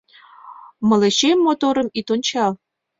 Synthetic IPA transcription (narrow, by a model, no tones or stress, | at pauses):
mɤ̆leɕemːot̪oɾə̆mit̪ont͡ɕɑ